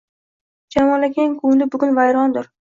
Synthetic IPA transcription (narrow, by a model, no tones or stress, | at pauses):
d͡ʒamɒlaɡʲaɪŋkʰʊlɪbʊɡʲʊnvajɾɒnd̪ʊɾ